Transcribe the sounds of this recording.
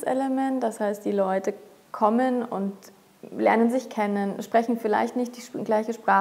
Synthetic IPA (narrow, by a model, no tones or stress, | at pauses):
sɛ̰ləmɛntd̥ashaɪst̚d̥iːlɔʏtə | kʰɔmənʊ̰nt | lɛɐnənzɪçkʰɛnənʃpʁ̥ɛçn̩fɪla̰ɪçtnɪçtd̥iːɡlaɪçəʃpʁ̥aː